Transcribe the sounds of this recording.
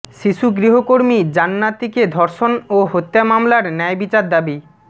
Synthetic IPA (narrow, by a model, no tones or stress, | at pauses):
ʃiʃuɡɾiɦokoɾmid͡ʑanːat̪iked̪ʱɔɾʃonoɦot̪ːjamamlaɾnɛjbit͡ɕaɾd̪abi